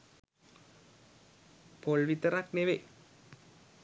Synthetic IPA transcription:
polʋit̪əɾakneʋe

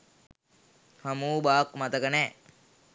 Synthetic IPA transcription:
hamuːbaːkmɐt̪əkənɛː

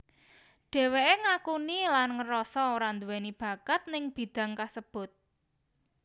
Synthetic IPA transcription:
ɖ̥e̤weʔeŋakunilanŋəɾɔsɔoɾand̪uwenib̥ä̤kat̪̚nɪŋb̥i̤d̪̥ä̤ŋkasəb̥ʊ̤t̪̚

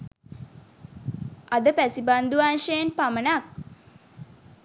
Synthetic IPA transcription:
ad̪əpæsiband̪uʋaːnʃeenpamənak̚

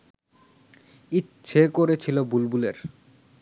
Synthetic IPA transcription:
iɕʰekoɾet͡ɕʰilobulbuleɾ

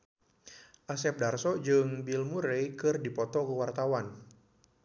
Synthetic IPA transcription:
ʔasɛp̚darsɔd͡ʒɨŋbilmuɾejkɨrdipɔt̪ɔkəwart̪awan

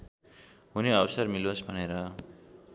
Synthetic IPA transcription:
ɦuniʌwsʌrmilosbʱʌneɾʌ

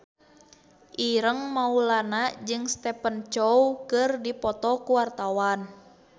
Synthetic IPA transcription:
ʔiɾəŋmaulanad͡ʒɨŋst̪ɛpənt͡ʃɔwkɨrdipɔt̪ɔkuwart̪awan

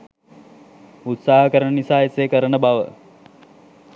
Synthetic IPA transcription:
ut̪saːɦəkəɾəɳənisaːesekəɾəɳəbaʋə

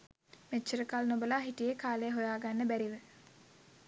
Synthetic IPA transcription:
met͡ʃːəɾəkalnobəlaɦiʈijekaːlejɦojaːɡanːəbæɾiʋə

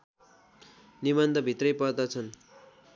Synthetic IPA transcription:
nibʌnd̪ʱʌbʱit̪rʌjpʌrd̪ʌt͡sʰʌn

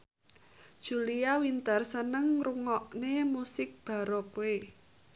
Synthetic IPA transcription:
d̥ʒ̥ṳliawint̪ərsənəŋruŋɔʔnemusɪk̚b̥a̤ɾɔpwe

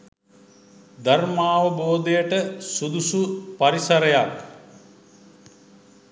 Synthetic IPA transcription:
d̪ɐrmaːʋəboːd̪ejəʈəsud̪usupaɾisɐɾəjak

